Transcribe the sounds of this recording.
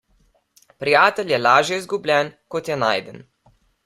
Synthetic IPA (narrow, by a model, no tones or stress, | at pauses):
pɾijaːt̪ɛlʲjɛlaːʒjɛizɡublʲɛːnkɔt̪jɛna̰ːjd̪ən